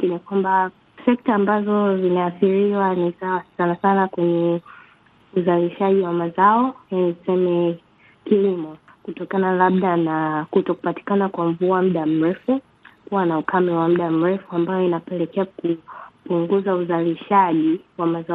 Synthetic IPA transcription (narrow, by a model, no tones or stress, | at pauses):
inikwamba | sɛk̚taːmbazɔzinaaθiɾiwanisawasanasanakwɛɲɛ | uzaliʃaʄiwamazaɔjanisɛmɛ | kilimɔ | kutɔkanalaɓ̚ɗanakutɔku̥pati̥kanakwam̩vuam̩ɗam̩ɾɛfu | kuwanaukʰamɛwam̩ɗam̩ɾɛfuambajɔinapɛlɛkɛakupuŋɡuzauzaliʃaʄiwamaza